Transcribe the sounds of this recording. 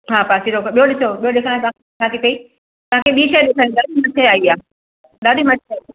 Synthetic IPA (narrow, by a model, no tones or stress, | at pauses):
ɦaːpasiɾokɓijoɗɪsoɓijoɗɪkʰãːt̪ɐãkkʰaːt̪ip̪ɐi | t̪ɐʋãkʰeɓiːʃɐɗɪkʰãːĩɗ̪aːdimɐtʰeaːiaː | ɗ̪aːdimɐtʰeaːia